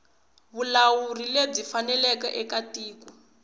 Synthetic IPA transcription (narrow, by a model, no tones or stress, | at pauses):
βulawurileb͡ʐifanɛlɛkɛʔɛkatiːku